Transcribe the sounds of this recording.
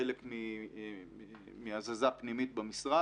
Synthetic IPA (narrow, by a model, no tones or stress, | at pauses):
elekmi | miazazapnimit̪bamisʁa